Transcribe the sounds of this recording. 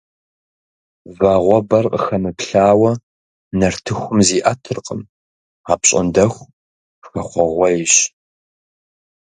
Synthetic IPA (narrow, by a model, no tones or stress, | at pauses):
vaːʁʷɔbɐrqəxɐmɨpɬaːwɐ | nɐrtʰɨxʷʊmziːʔɐtʰɨrqʼəm | aːpɕʼɪ̰ndɐxʷ | xɐχʷɔʁʷɔɪɕ